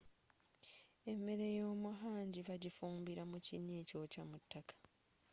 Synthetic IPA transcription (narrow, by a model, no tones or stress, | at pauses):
e̞mːe̞ɾejo̞ːmuɦaːɲɟiβaɟifuːmbiɾamuciɲːe̞ːco̞ːcamutːakḁ